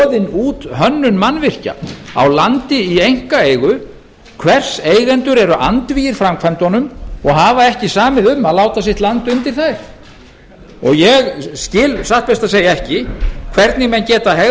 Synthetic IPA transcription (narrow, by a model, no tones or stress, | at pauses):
ðɪnuːt̪hœnːʏnmanvɪr̥ca̰a̰wlant̪ɪiejŋ̥kaeːjɣʏ | kʰvɛr̥seːjɣɛnt̪ʏɾɛɾʏʔant̪viːjɪɾ̥fɾamkʰvajnt̪ɔnʏmɔɣɦaːvaɛhcɪsaːmɪðʏmːaðlaːwt̪as̬jɪht̪lant̪ʏnt̪ɪɾ̥θajɾ̥ | ɔ̰ɣjɛɣscɪːlsaht̪̚pɛst̪aseːjaɛhcɪkʰvɛɾt̪nɪmɛncɛːt̪aɦɛ